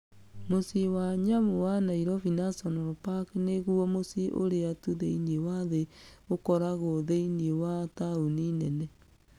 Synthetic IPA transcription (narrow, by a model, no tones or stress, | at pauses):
mosiwaɲamowanaiɾɔfinasɔnoɾopakneɣuɔmosiʔo̰ɾeatuðeiniewaðeokɔɾaɣoðeiniewatauninɛnɛ